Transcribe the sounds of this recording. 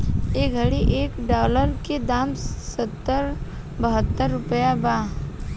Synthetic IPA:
eːɡʱəɽiʔeːkɖaːləɾked̪aːmsət̪ːəɾ | bəɦət̪ːəɾːʊpəjabaː

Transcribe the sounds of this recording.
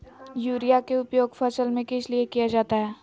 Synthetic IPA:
juːɾijakeʊpjoːɡfɐsəlmẽkɪsliekijad͡ʒaːt̪aɦɛː

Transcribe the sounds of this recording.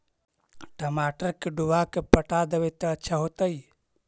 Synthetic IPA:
ʈəmaʈəɾkeɖubakepəʈad̪ebet̪əətːʃʰaɦot̪əj

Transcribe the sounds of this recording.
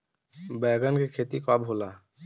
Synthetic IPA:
bɛːɡənkikʰeːt̪ikoabɦoːlaː

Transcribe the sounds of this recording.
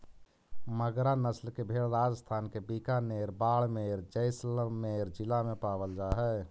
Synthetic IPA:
məɡɾanəslkebʱeːɭɾaːd͡ʒəst̪ʰaːnkebiːkaneːɾbaːɭmeːɾd͡ʒəɪsləːeːɾd͡ʒɪlamẽpaːbəld͡ʒaːɦɛ

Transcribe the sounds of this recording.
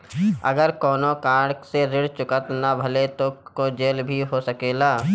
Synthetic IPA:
ə̰ɡəɾkɔːnõkãːɽkseɾɪɽt͡ʃʊkət̪nabʱəlet̪okod͡ʒeːlbʱiɦosəkeːlaː

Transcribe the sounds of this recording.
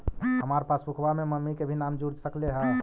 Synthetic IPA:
ɦəmaɾpasbukʰbameməmːikebʱinamd͡ʒuɾd͡ʒsəkleɦə

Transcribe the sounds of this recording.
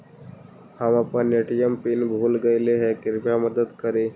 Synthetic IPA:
hamapənjeʈijəmpiːnbʱuːlɡəjleɦekiɾpjaməd̪əd̪kəɾe

